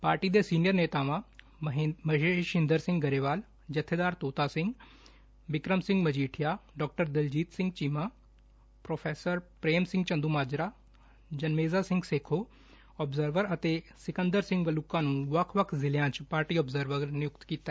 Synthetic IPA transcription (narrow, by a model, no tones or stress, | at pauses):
paːɾʈiːd̪esiːnɪjəɾneːt̪aːʋãː | mɐɦeʃɪ̃nd̪əɾsɪ̃ŋɡɡɐɾeːʋaːl | d͡ʒɐt̪ʰed̪aːɾt̪oːt̪aːsɪ̃ŋɡ | ʋɪkɾəmsɪ̃ŋɡmɐd͡ʒiːʈʰijaːɖɔːk̚ʈəɾd̪ɪld͡ʒiːt̪sɪ̃ŋɡt͡ʃimãː | pɾoːpʰeːsəɾpɾeːmsɪ̃ŋɡt͡ʃɐ̃nd̪umaːd͡ʒɾa | d͡ʒɐnmeːzasɪ̃ŋɡseːkʰoː | ɔːbzəɾʋəɾɐt̪esɪkə̃nd̪əɾsɪ̃ŋɡʋɐlʊkãːnũːʋɐkʰʋɐkʰzɪljãːt͡ʃpaːɾʈiːɔːbzəɾʋəɾɾnɪjʊk̚t̪kiːt̪a